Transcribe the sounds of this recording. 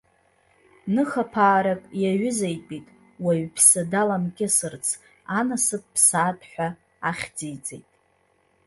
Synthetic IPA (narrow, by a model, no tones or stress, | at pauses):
nɨχapʰaːɾakʼjaɥʏzajpʼitʼ | waɥpʰsadalamkʲʼɪsɨrt͡sʰ | anasɨp̚ʼpʰsaːtʼʰħʷᶣa | aχʲd͡zijt͡sʼḛjtʼ